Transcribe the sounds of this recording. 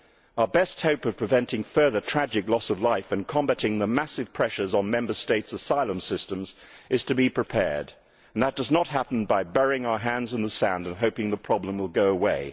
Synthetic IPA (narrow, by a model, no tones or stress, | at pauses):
aʊə˞bɛst̚hoʊpʌv̥pʰɹ̥ɨvɛ̃ntɪ̃ŋfɜ˞ðə˞tʰɹ̥æd͡ʒɨklɔsʌvlaɪfɨ̃nkʰɑ̃mbæɾɪ̃ŋðəmæsɨv̥pʰɹ̥ɛʃə˞zn̩mɛ̃mbə˞steɪtsəsaɪlˠə̃msɪstɨ̃mzʔɨz̥tʰɨbipʰɹ̥ɨpʰɛ̰ɹd | n̩ðət̚d̥ʌznət̚ɦæpn̩baɪbɛɹɪ̃ŋaʊə˞ɦæ̃ndzə̃nðəsæ̃ndɨ̃nɦoʊpɪ̃ŋðəpʰɹ̥ɑblə̃mwəlˠɡoʊəweɪ